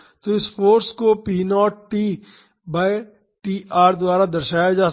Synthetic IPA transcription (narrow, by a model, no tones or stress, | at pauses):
t̪oɪsfʰoːɾskopiːnɔːʈʈiː | baːe | ʈiːʔaːɾd̪ʊwaːɾad̪əɾʃaːjad͡ʒaː